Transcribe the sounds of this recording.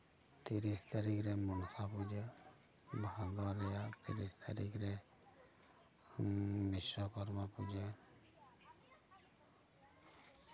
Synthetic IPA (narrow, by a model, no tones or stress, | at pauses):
t̪iɾist̪aɾikɾɛmunsʰapud͡ʒe | bad̪ɔɾɛjat̪ḭɾist̪ʰaɾikɾɛ | misɔkɔɾmapud͡ʒe